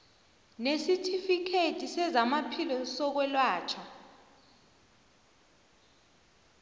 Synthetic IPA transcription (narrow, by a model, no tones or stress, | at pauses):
nesitʰifikʰetʰʼisɛzamapʰilɔsɔk̬wɛlwaːt͡ʃʰɔ